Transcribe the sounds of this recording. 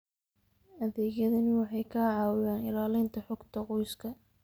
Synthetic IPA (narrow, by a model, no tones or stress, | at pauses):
ʔɐðɛːɡjɐðɐnɪwɑħɑjkʰaːʕɑːwɪjaːnɪlaːlɛjnt̪ʰɐħʊɡt̪ʰɐqɔjskʰɐ